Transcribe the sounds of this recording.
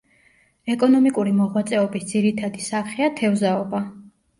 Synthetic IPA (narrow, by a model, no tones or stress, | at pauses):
ɛkʼɔnɔmikʼuɾimɔʁwat̪sʼɛɔbisd̪z̥iɾit̪ʰad̪isaχɛat̪ʰɛvzaɔba